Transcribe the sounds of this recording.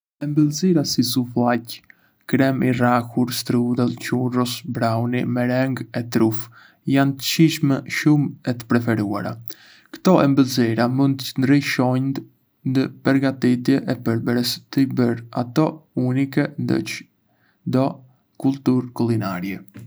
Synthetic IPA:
ɛmbəlziɾasisuflac | kɾɛmiraxuɾst̪ɾud̪ɛlˠcurɔsbɾawnimɛɾɛŋɡɛt̪ɾuf | jant̪ə̥ʃiʃmɛʃumɛt̪ə̥pɾɛfɛɾua̰ɾa̰ | kə̥t̪ɔʔɛmbəlziɾamund̪ənd̪ɾiʃɔjnd̪ | nd̪əpəɾɡat̪it̪jɛʔɛpəɾbəɾəst̪əbəɾa̰t̪ɔunikɛnd̪ə̰t͡ʃ | d̪ɔ | kulˠt̪uɾkulinaɾjɛ

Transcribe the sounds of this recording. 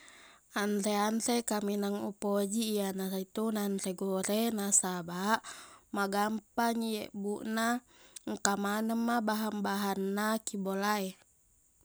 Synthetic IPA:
anreanrekaminaŋṵpod͡ʒiːanaɾit̪unanreɡoɾenasabaʔmaɡampaɲiḛʔbuʔna | ŋkamanəmːabaɦambaɦanːakibolae

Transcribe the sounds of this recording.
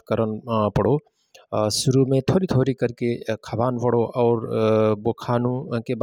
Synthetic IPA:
kəɾənpəɽo | sʊɾumẽt̪ʰoːɾit̪ʰoːɾikəɾkekʰɐbaːnpəɽoʔɔːɾbokʰaːnũkeb

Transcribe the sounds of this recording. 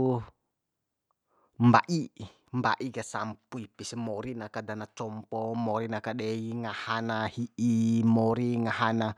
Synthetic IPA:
mba̰ʔi | mba̰ʔiɡasampuipismɔɾinakadanat͡ʃɔmpɔmɔɾinakaɗɛiŋahanahiimɔɾiŋaɦana

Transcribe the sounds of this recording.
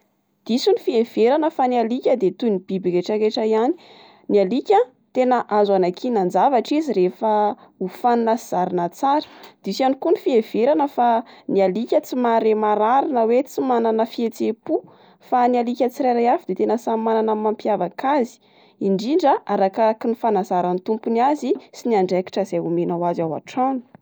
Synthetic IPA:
d̪̥isunifiev̥eɾanəfanialikʲəd̪et̪unib̥ibikeʈ͡ʂəɾeʈ͡ʂaiani̥ | nialikʲə | t̪enəʔazanakʰinand͡zavaʈ͡ʂiziɾefəufanunəz̥aɾinət͡saɾə̥d̪̥isanikunifiev̥eɾanəfanialikʲət͡simaɾemaɾaɾinəwet͡simananəfiet͡sepu | fanialikʲət͡siɾajɾajafid̪et̪enəsamananamampijavakazi̥ | iɳɖ͡ʐiɳɖ͡ʐəʔaɾakakinifanazaɾanit̪umpuniazisiniaɳɖ͡ʐeki̥ʈ͡ʂəzeumenawazawa̰ʈ͡ʂanu̥

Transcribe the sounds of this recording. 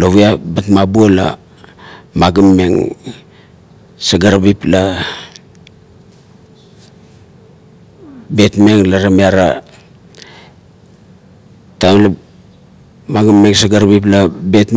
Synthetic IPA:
loβuabatmabuola̰ | maɡamːe̞ŋ | saɡaɾabipla | be̞tme̞ŋlaɾamiaɾa̰ | tamla | maɡamːe̞ŋsaɡaɾabip̬labe̞t

